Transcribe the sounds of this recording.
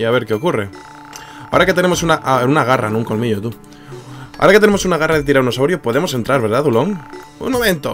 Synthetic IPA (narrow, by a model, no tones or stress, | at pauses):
iaβe̞ɾkeokure | ao̰ɾaket̪e̞ne̞mo̞sunaʔunaɣ̞ara̰nũŋkolmiʝot̪u | a̰o̰ɾaket̪enemosunaɣ̞araðet̪̬iɾaɾunosawɾjopo̞ðemo̞se̞nt̪ɾaɾβe̞ɾðaðuloŋ | ṵŋmomẽnt̪o̰